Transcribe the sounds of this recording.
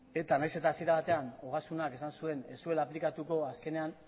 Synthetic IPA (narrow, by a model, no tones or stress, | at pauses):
e̞t̪anajse̞t̪aːsieɾaβat̪e̞ano̞ɣ̞asunake̞sansue̞ne̞sue̞laːplikat̪uko̞aske̞ne̞an